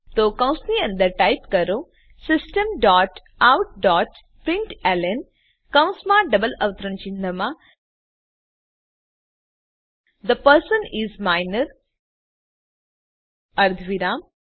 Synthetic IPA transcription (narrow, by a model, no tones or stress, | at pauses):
t̪oːkɐ̃w̃sniɐ̃nd̪əʈaɪpkɐɾo | sɪsʈə̃mɖɔːʈ | awʈ̚ɖɔːʈ | pɾɪ̃ɳʈɛlen | kɐ̃w̃smaːɖɐbəlɐʋt̪ɾə̃nt͡ʃĩnd̪ʱəmã | d̪əpəɾsə̃nizmaɪnəɾ | ɐɾd̪ʱʋiɾãːm